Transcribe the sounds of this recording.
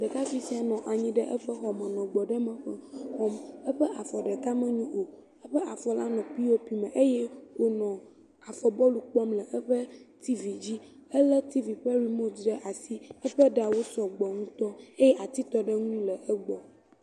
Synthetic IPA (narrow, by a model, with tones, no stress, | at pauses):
d̪ə˨ka˦fi˦si˦a˨nɔ̃˨ʔa˨ɲĩ˦ɖə˦ʔɛ˦ɸɛ˦xɔ˨mɛ̃˨nɔ̃˨ɡ͡bɔ˨ɖə˦mɛ̃˨ɸɛ˨xɔ˦mə˦ɸɛ˦ʔa˨fɔ˨ɖɛ˨ka˦mɛ̃˦ɲũ˦ʔo˨ | ə˦ɸɛ˦ʔa˨fɔ˨la˦nɔ̃˨pi˦wo˦pi˨mɛ̃˨ʔe˦jɛ˦wo˨nɔ̃˨ | a˨fɔ˨bɔ˦lu˨k͡pɔ˦mlɛ˨ʔɛ˦ɸə˦t̪ʰi˦vi˨d͡ʑi˦ə˦lɛ˦t̪i˦vi˨ɸə˦ɾi˨mo˦zɖə˦ʔa˨si˦ə˦ɸɛ˦ɖa˨wo˦sɔ˨ɡ͡bɔ˨ŋũ˦t̪ɔ˦e˦jɛ˦ʔa˨t̪i˦t̪ɔ˦ɖɛ˦ŋũ˦lə˨ə˦ɡ͡bɔ˨